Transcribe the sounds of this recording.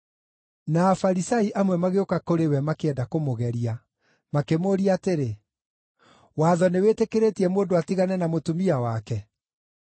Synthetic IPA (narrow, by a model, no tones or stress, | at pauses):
naːfaɾisaiʔamwɛmaɣeokakoɾewɛmakeɛndakomoɣɛɾia | makemoːɾiateɾe | waːðɔnewetekeɾetiɛmoːndoatiɣanɛnamotumiawakɛ